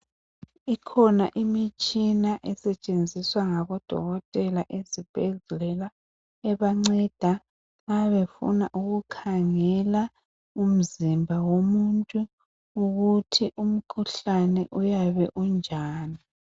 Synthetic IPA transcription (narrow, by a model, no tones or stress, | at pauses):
ikʰɔna̰ʔimit͡ʃʼinaʔɛsɛt͡ʃʼend͡zʱiswaŋaβɔd̥ʱɔ̰ɣɔtʼɛlaʔezib̥ʱɛzuɛla | ɛβaŋ͡ǀɛd̥ʱa | ŋaβefṵnaʔuɣukʰaŋɛla | um̩zimbʱawomuntʼu | uɣutʰiʔum̩kʰuɬanɛʔujaβɛʔund͡ʒʱaːni